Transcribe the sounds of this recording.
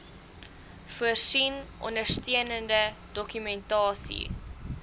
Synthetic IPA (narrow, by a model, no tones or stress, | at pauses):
fuərsinʔɔ̰ndərstiənəndədɔkymɛntɑːsḭ